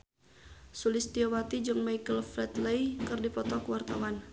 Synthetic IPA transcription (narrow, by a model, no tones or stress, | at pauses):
sulɪst̪iɔwat̪id͡ʒəŋmajkəlflɛt̪ləjkɨrdipɔt̪ɔkəwart̪a̰wan